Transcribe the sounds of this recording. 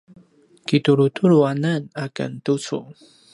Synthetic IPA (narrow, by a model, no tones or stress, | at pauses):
kituɾutʰuɾuanənakə̰ntut͡sṵ